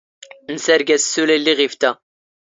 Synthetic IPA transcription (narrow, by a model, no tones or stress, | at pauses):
nəsæɾɡæssːulælːiʁift̪æ